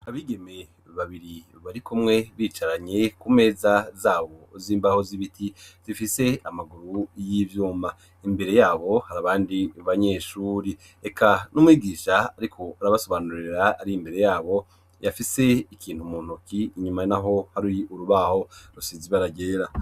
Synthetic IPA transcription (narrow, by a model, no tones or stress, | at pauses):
aβiːɡe̞me̞ | βaβiɾi | βaɾikumŋe̞βiːt͡ʃaɾaɲe̞kume̞ːzazaːβo̞ziːmbaho̞ziβitʰiz̥ifise̞amaɡuɾujivjuːma | imbe̞ɾe̞jaːβo̞haɾaβaːndiuβaɲe̞ːʃuːɾi | ekʰanumwiːɡiːʃaːɾikʰo̞aɾaβaso̞βanuɾiɾaːɾiimbe̞ɾe̞jaːβo̞ | jafise̞ikʰiːnhumuːn̥ukiːɲumanaɦo̞haɾiuɾuβaho̞ɾusiziβaɾaɟe̞ːɾa